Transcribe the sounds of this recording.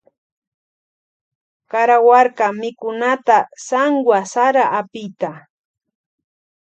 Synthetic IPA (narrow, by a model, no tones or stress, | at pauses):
kaɾawaɾkamɪkʊnat̪asaŋɡwasaɾaʔapɪjt̪a